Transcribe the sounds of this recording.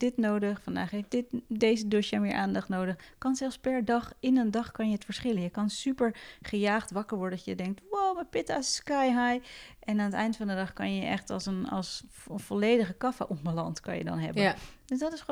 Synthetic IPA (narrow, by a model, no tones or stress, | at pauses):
d̥ɪtnowdəχfɑnda̰ːχɦejfdɪtdejzədøʃjamɪːɹʔaːndɑχtnowdəχkɑnsɛlˠfspɛɹdɑχɪnəndɑχkɑnjəətfəɹsχɪlənjəkɑnsypəɹχəjaːχtʋɑkəɹʋɔɹdənsjədɛŋk̚twowməpɪtaskajɦajʔɛnaːnətɛjndəfɑndədɑχkɑ̰njəʔɛ̰χtɑ̰lˠsənɑ̰s | əv̥ɔlejdəχəkɑfa̰ʔɔmbalɑntkɑ̰njə̰dɔ̰nɦɛ̰bəd̥øsdɔtɪs